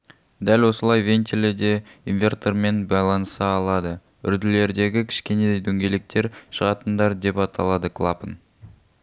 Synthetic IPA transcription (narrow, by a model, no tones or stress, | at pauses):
d̪ælwo̞səlˠɑjve̞nt̪ʲʰeled̪e̞invʲe̞rt̪orme̞nbɑjlˠɑnəsɑːlˠɑd̪ə | ʏ̰ɾd̪ɪle̞ɾd̪e̞ɡʲɪkʲʰɪ̥ʃkʲe̞ne̞d̪e̞jd̪ɵŋɡʲe̞lek̚t̪e̞ɾʃəʁɑt̪ənd̪ɑɾd̪e̞pɑt̪ʰɑ̰lˠɑd̪əkʰlˠapən